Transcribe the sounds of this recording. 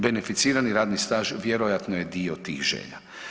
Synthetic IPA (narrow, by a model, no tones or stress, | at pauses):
benefit̪siːɾaniɾaːd̪nist̪aːʒʋjeɾojat̪noje̞d̪iot̪iːxʒḛʎa̰